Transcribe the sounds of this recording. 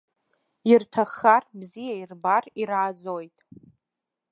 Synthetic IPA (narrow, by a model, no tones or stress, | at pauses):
irtʰaχarbzijairbariɾaːd͡zojtʼ